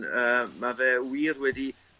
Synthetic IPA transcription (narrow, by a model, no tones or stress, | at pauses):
əːmavɛːwiːrwɛdi